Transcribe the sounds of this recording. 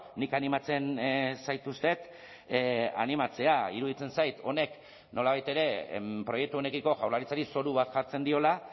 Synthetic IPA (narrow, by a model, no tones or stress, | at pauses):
nikanimat͡se̞nsajt̪ust̪e̞t̪ | a̰nimat͡se̞aiɾuð̞it͡se̞nsajt̪o̞ne̞k | no̞laβajt̪e̞ɾe̞pɾojek̚t̪uo̞ne̞kiko̞ʝawɾlaɾit͡saɾiso̞ɾuβ̞at̪ʝaɾt͡se̞nd̪io̞la